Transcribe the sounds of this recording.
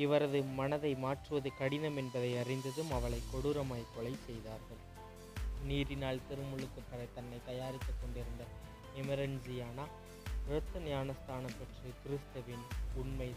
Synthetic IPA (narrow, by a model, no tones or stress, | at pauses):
ɪʋɐɾɐðɯmɐnɐðɐɪmaːʈrɯʋɐðɯkɐɽɪnɐmɛnbɐðɐɪɐrɪnd̪ɐðɯmɐʋɐɭɐɪkːɔɽɯɾɐmaːjkːɔɭɐɪsɛjðaːɾɣɐɭ | niːɾɪnaːɭt̪ɪɾɯmɯɭɯkːɯpːɐɾɐɪt̪ɐnːɐɪt̪ɐjaːɾɪkːɯkːɔɳɖɪɾɯnd̪ɐ | ɛmɐɾɐnd͡ʒɪjaːnaː | ɾɐt̪ːɐnjaːnɐst̪aːnɐpːɐʈrɯkɪɾɯst̪ɐʋɪnʊɳmɐɪ